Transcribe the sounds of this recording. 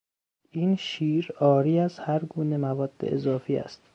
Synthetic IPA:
iːnʃiːɾɒːɾiːæzhæɾɡuːne̞mævɒːd̪̥ːḛḛzɒːfiːæ̰st̪

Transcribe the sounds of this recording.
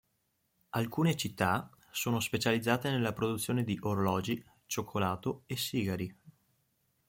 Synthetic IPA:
alkuːnet͡ʃit̪ːa | soːnospet͡ʃalid̪zːaːt̪enelːapɾod̪ut̪sːjoːned̪iʔoɾolɔːd͡ʒi | t͡ʃokʰːolaːt̪oesːiːɡaɾi

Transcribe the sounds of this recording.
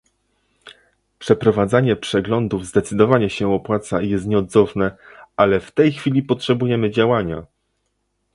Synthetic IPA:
pʂɛpɾɔvad̪zaɲɛpʂɛɡlɔnd̪uvzd̪ɛt̪sɘd̪ɔvaɲɛɕɛɔpwat̪sajɛst̪ɲɛɔd̪zɔfnɛalɛft̪ɛjxfʲilʲipɔtʂɛbujɛmɘd͡ʑawaɲa̰

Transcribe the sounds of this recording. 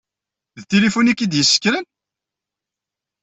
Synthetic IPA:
ðt̪elifunikːid̪jəsːə̥kːɾən

